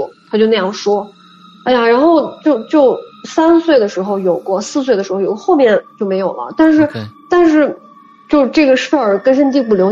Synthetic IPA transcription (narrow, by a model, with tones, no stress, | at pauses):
t̪ʰt͡ɕjo˥˧ʊna˥˧jɑ˥˩ŋʂwɔ˥ | a˥˩ɪja˨˩ɻa˧˥nxo˥˧ʊt͡ɕjo˥˧ʊt͡ɕjo˥˧ʊsa˥nswe˥˩ɪd̪ə˩ʂɻ̩˧˥xo˧ʊjo˨˩ʊkwɔ˥˧sɹ̩˥˧s̬we˥˩d̪ə˩ʂɻ̩˧˥xjo˨˩˥xo˥˧ʊmjɛ˥˩nt͡ɕjo˥˩ʊme˧˥ɪjo˨˩lə̰˦t̪a˥˧nʂ̬ɻ̩˥˧t̪a˥˧nʂɻ̩˥˩ | t͡ɕjo˥˧ʊʂʈ͡ʂɤ˥˩ɡə˩ʂə˥˩kə˥nʂ̬ə˥nt̪i˥˩p̬u˥˩ljo˧˥ʊ